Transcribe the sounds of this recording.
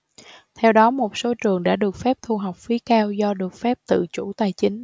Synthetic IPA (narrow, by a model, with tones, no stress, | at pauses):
t̪ʰɛ˧wɗɔ˨˦mo˨˩t̚so˨˦t͡ɕɨ˨˩əŋɗa̰ː˧˥ɗɨ˨˩ək̚fɛ˦˥p̚t̪ʰu˧˩ɦa˨˩wk͡p̚fi˨˦kaː˧wzɔ˧ɗɨ˨˩ək̚fɛ˦˥p̚t̪ɨ̰˧˨t͡ɕu˧˩t̪aː˧˩jt͡ɕï˨˦ŋ̟